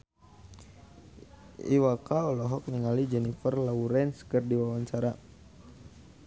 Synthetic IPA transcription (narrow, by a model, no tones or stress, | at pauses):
ḭwakaɔlɔɦɔk̚niŋalid͡ʒɛnifərlauɾɛnskərdiwawaɲt͡ʃaɾa